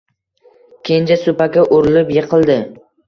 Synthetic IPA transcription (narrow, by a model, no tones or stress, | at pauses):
kʲʰend͡ʒasʊpakʲaʔʊɾɪlɪpjeqʰɨlˠd̪ɪ